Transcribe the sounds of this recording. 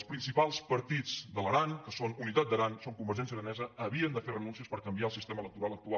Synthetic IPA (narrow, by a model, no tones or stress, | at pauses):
spɾinsipalˠspəɾt̪id͡zd̪ələɾankəsonunit̪at̪̚d̪əɾansoŋkumbəɾʒɛnsiəɾənɛzəːβiənd̪əferənunsiəspəɾkəmbiaəlˠsist̪emələk̚t̪uɾalˠək̚t̪ua